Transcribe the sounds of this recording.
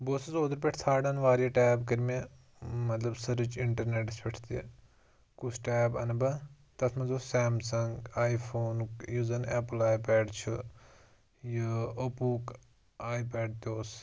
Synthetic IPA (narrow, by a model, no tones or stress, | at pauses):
boːsɐzoːd̪əɾp̬ʲeʈʰt̪ʰaːɽɐnʋaːɾijɐʈaːbkəɾme | mɐt̪lɐbsɐɾɨt͡ʃiɳʈɐɾneːʈspeʈʰt̪ijḛ | kut͡ʃʰʈeːbɐ̰nbɐ | t̪ɐt̪ʰmɐzosɛːmsɐŋɡaːjpʰoːnkjuzɐnɛːplaːjpɛːɖt͡ʃʰu | jɨəpuːk | aːipɛːɖ̚t̪oːs